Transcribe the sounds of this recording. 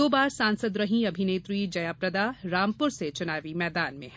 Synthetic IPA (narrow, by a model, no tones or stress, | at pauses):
oːbaːɾsãːnsəd̪ɾɐɦĩɐbʱineːt̪ɾiːd͡ʒɐjaːpɾɐd̪aːɾaːmpʊɾset͡ʃʊnaːʋimɛːd̪aːnmḛ̃ɦɦ